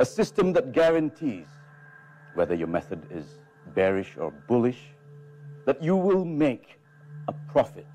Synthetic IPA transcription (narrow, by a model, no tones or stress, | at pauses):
əsɪstə̃mðɨt̚ɡæɹɨ̃ntʰiz̥ | wɛðə˞jɔmɛθədɪz | bɛɹɪʃɔ̰bʊlɪʃ | ðɨtjuwɪlˠmek | əpʰɹ̥ɔfɪt̚